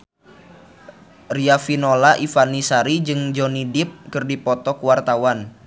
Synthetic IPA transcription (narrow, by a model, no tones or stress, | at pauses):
riafinolaʔifanisaɾid͡ʒɨŋd͡ʒɔnidɪp̚kɨrdipɔt̪ɔkuwart̪awan